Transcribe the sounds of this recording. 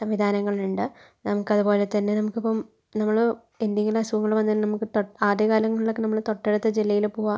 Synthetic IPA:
sɐmʋid̪ʱaːnɐŋːɐɭluɳɖɨ | nɐmukːɐðupo̞ːle̞t̪ɐnːenɐmukːipːɐm | nɐmːɐɭ | end̪eŋɡilɐsuʋɐŋːɐɭʋɐnːɐinnɐmukːɨt̪oaːd̪jɐkaːlɐŋːɐɭiɭokːɨnɐmːɐɭt̪o̞ʈːeɽut̪ːɨd͡ʑilːɐjilpoːʋa

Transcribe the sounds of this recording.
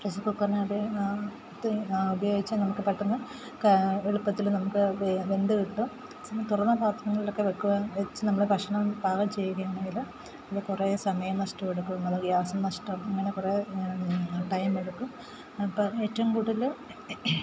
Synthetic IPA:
presɨkukːɐrnaːɽe | t̪ːubɐjoːɡit͡ɕːɨnɐmukːɨpɐʈːɐnːu | eɻupːɐt̪ːilnɐmukːɨʋe̞nd̪ɨkiʈːu | sɐmɐt̪urɐnːɐbʱaːt̪ʰrɐŋːɐɭilo̞kːeʋekːuʋɐʋet͡ɕːɨnɐmːɐɭbʱɐkʂɐɳɐmbʱaːɣɐmt͡ɕe̞jːuɣɐjaːɳe̞ŋɡil | ɐðɨkuresɐmɐjɐmnɐʂʈɐmeɽukːumɐðɨɡjaːsɐmnɐʂʈɐmɐŋːɐnekure | ʈɐjmeɽukːum | pːoe̞ːtːɐʋumkuːɽiðlu

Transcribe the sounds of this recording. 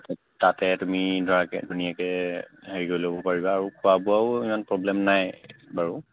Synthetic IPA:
t | tatɛtumidʱɔɹakɛ̰dʱunijakɛheɹiɡojlobɔpaɹibaːɹukʰuabuaʊimanpɹɔblɛmnajbaɹu

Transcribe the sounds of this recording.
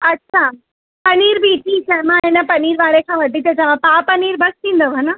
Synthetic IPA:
ɐtːɕʰa | pəniːɾbiʈʰiːsʰɛmãɦenapɐniːɾʋaɭekʰãʋəʈːit̪et͡ɕaʋãpapəniːɾbʱəst̪ʰĩːnd̪oʋʱəna

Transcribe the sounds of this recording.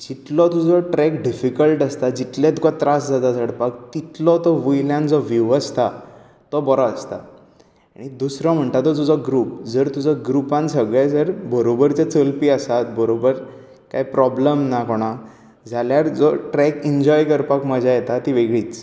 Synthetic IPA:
d͡ʑit̪lɔt̪ud͡zɔʈɾɛkɖifikəlʈəst̪ad͡ʑit̪lẽt̪kat̪ɾasd͡zat̪at͡səɽpak̚t̪it̪lɔt̪ɔʋujljãnd͡zɔʋiʋəst̪ʰa | t̪ɔbɔɾaəst̪a | aɽ̃id̪usɾɔm̤əɳt̪at̪ːɔt̪ud͡zɔɡɾuːpd͡zəɾt̪ud͡zɔɡɾupãnsəɡɭɛd͡zəɾbəɾobəɾt͡ɕet͡səlpiːəsat̪bəɾobəɾ | kaipɾɔbləmnakoɽ̃a | d͡zʱaljaɾd͡zɔʈɾɛkiɲd͡ʑɔjkəɾpakməd͡ʑʱajet̪at̪iʋeɡɭiːt͡s

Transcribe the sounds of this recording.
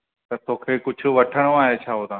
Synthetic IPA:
t̪ɐt̪oːkʰeːkʊd͡ʑʱʊ̆ʋɐʈʰəɽ̃oaːɦet͡ɕʰaːɦot̪ãː

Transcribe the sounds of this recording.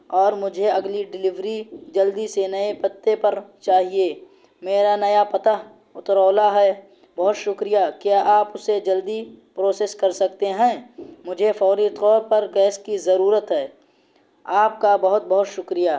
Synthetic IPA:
ɔːɾmʊd͡ʒʱeɐɡliɖɪlɪʋɾid͡ʒɐld̪isenɐepɐt̪ːepɐɾt͡ʃaːɦieː | meːɾanɐjapɐt̪a | ʊt̪ɾɔːlaɦɛ | bɐɦʊt̪ʃʊkɾijakjaːʔaːpʊsed͡ʒɐld̪ipɾoːseːskɐɾsɐk̚t̪eɦɛ̃ːmʊd͡ʒʱefʰɔːɾit̪qɔːɾpɐɾɡɛːskizɐɾuːɾət̪ɦɛː | aːp̚kabɐɦʊt̪̚bɐɦʊt̪ʃʊkɾijaː

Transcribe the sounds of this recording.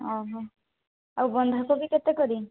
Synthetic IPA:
ɔɦɔ | awbɔnd̪ʱakobikɛt̪ɛkɔɾi

